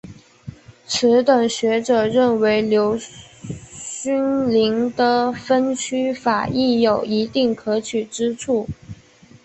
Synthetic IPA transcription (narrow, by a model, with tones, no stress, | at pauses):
ʈ͡ʂʰɻ̩˧˥t̪wə˨˩ŋɕɥɛ˧˥ʈ͡ʂɤ˨˩ɻə˥˩nwe˧˥ɪljo˧˥ʊ | ɕy˥nli˧˥ŋd̪ə˨fə˥nt͡ɕʰy˥fa˨˩i˥˩jo˨˩ʊi˧˥t̪i˥˩ŋkʰɤ˧˥t͡ɕʰy˨˩ʈ͡ʂɻ̩˥ʈ͡ʂʰu˥˩